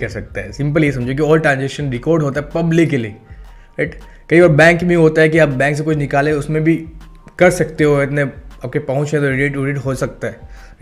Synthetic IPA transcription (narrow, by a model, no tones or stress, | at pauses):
kɐɾsɐk̚t̪aɦɛsɪ̃mp̬əlijesɐ̃md͡ʒʱok̬iɔːlʈɾãːnzɛkʃə̃nɾɪkɔːɾɖɦoːt̪aɦɛpɐblɪkːelie | ʈ | kɐiʋaːɾbɛ̃ːŋkbʱĩɦoːt̪aɦɛk̬iaːp̚bɛ̃ːŋks̬ekʊt͡ʃʰnɪkaːlẽʊsmẽbʱi | kɐɾsɐkt̪eɦoɪt̪neɐp̚kepɐɦʊ̃t͡ʃẽt̪oɾɪɖeːʈuʋɾɪʈɦoːsɐk̚t̪aɦɛː